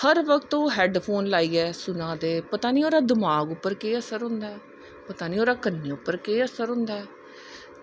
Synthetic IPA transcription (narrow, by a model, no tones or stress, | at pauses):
həɾʋəkt̪oːɦɛːɖpʰoːnlaːiːɛːsʊnãːd̪eːpət̪aːniːoːɾaːd̪ɪmaːɡʊpːəɾkeːəsəɾɦʊ̃nd̪aɛː | pət̪aːniːoːɾaːkənːeːʊpːəɾkeːəsəɾɦʊ̃nd̪aːɛː